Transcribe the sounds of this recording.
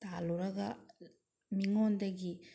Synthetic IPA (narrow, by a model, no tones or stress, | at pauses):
t̪aːluɾɐɡa | miŋond̪ɐɡi